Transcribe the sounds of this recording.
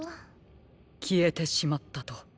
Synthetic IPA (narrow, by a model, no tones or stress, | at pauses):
kʲʰie̞t̪e̞ɕimat̪ːat̪o̞